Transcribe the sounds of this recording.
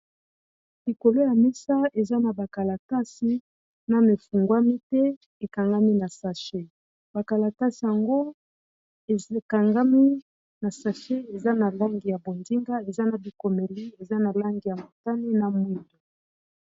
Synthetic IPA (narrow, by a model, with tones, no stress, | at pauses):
li˨ko˨lo˦ja˨mi˦sa˦e˨za˦na˨ba˨ka˨la˨ta˦si˨˦ | na˨me˨fu˨ŋɡwa˦mi˦tɛ˦ | e˨ka˨ŋɡa˦mi˦na˨sa˨ʃe˦ | ba˨ka˨la˨ta˦si˨ja˨ŋɡo˦˨ | ka˨ŋɡa˦mi˦ | na˨sa˨ʃe˦e˨za˦na˨la˦ŋɡi˨ja˨bo˨ndi˦ŋɡa˦e˨za˦na˨bi˨ko˨me˨li˦e˨za˦na˨la˦ŋɡi˨ja˨mo˨ta˦ni˦na˨mwi˦˨to˨